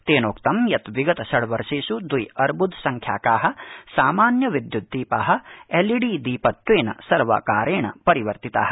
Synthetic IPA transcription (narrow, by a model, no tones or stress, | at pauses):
t̪eːnoːkt̪ɐmjɐt̪ʋiɡɐt̪ɐsɐɽʋɐɾʃiːsud̪ʋujɐɾbʱud̪sɐŋkʰja̰ːkaːɦɐ̆saːmaːnjɐʋid̪jud̪ːiːpa̰ːɦɐ̆eliɽiːd̪iːpɐt̪ːʋeːnɐ̰sɐɾʋɐ̰kaːɾeːɳɐ̰pɐɾiʋɐɾt̪it̪a̰ːɦɐ̥